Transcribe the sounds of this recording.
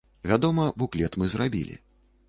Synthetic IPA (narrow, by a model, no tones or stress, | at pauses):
vʲad̪ɔmɐbuklʲɛt̪mɨzrabʲḭlʲḭ